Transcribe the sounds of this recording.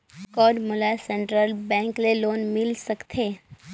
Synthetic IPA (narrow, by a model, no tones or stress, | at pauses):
kɔːɖmʊlasɛ̃ɳʈɾəlbɛ̃ŋkleloːnmɪlsəkt̪ʰeː